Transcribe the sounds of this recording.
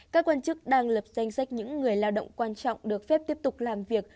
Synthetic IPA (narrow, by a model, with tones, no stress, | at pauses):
kaː˦˥kːwaː˧nt͡ɕɨ˦˥k̚ɗaː˧ŋlə˨˩p̚za˧jŋ̟sa˦˥jk̟̚ɲɨ̰˧˥ŋːɨ˨˩əjlaː˧wɗo̰˧˨wŋ͡mkwaː˧nt͡ɕɔ̰˧˨wŋ͡mɗɨ˨˩ək̚fɛ˦˥p̚t̪i˦˥əp̚t̪ʊ˨˩k͡p̚laː˨˩mvi˨˩ək̚